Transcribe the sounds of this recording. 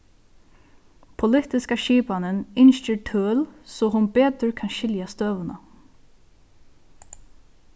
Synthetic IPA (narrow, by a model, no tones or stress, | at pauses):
pʰʊlɪt̪ɪskaʃiːpanɪnɪnʃt͡ʃəɹtʰœːlsɔɦʊnbeːt̪ʏɹkʰanʃɪljast̪øːʋəna